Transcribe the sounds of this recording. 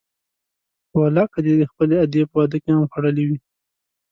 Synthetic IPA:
walɑkad̪ed̪əxpəlead̪jepəwad̪əkehamxaɽəlewi

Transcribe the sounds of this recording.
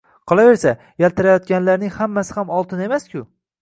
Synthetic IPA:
qʰɒlˠave̞ɾsa | jelt̪ʰɪɾajɒt̪̚ɡʲanlaɾnɪŋhamːasɪ̥hamɒlˠt̪ʰɪne̞maskʲʰʊ

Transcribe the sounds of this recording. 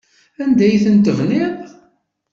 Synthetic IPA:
ænd̪æjθənt̪əvnɪʁ

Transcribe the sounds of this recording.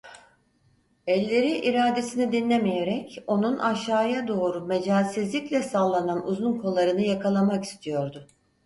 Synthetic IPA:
ɛlʲːe̞ɾiʔiɾaːd̪e̞sinid̪inlʲemijeɾɛco̞nunʔaʃaːjad̪o̞ːɾume̞d͡ʒaːsizlʲiclʲɛsaːlˠːananuzunkʰo̞lˠːaɾɯnɯjakʰalˠamaki̥st̪ʰijo̞ɾd̪ʊ

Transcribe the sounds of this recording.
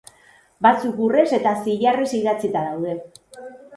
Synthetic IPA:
bat͡sukure̞se̞t̪asiʎaresiðat͡sit̪aðawðe̞

